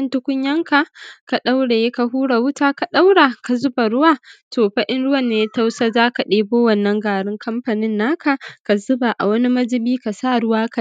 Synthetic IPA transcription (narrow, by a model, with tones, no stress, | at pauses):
ɐ˦ntʊ˦kʷʊ˦ɲjɐ˦ŋka˨ka˨ɗa˦wɽa˨jeː˦ka˨ɦuː˦ɽa˨wʊ˦taː˦ka˨ɗa˦wɽa˨ka˨zʊ˦ba˨ɽʊ˦waː˦˨tʰoː˨ɸɐ˦ʔɪ˦nɽʊ˦wɐ˨nːeː˨ja˦ta˦wsaː˦zaː˦ka˨ɗeː˦boː˦wɐ˦˨nːɐ˦ŋɡaː˨ɽɪ˦ŋkʰɐ˦mɸa˨nɪ˦nːaː˦kʰa˨ka˨zʊ˦ba˨ʔa̰˨wɐ˦ni˦mɐ˦d͡ʒɪ˦biː˦ka˨saː˦˨ɽʊ˦waː˦ka˨˦